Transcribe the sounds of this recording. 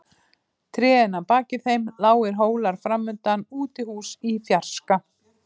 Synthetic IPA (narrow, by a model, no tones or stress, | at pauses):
t̪ʰɾɛːðɪnapaːcɪθejmlaːwɪɾ̥ɦoːwlaɾ̥fɾamːʏnt̪anuːt̪ɪhuːsiθjar̥ska